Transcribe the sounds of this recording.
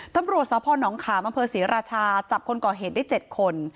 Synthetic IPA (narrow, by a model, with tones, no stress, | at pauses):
t̪a˧mɾu˨˩t̪̚sɔː˨˦pʰɔː˧nɔː˩˦ŋkʰaː˩˦mʔa˧mpʰɤː˧siː˩˦ɾaː˧t͡ɕʰaː˧t͡ɕa˨˩p̚kʰo˧nkɔː˨˩ɦeː˨˩t̪̚da˥˩t͡ɕe˨˩t̪̚kʰo˧n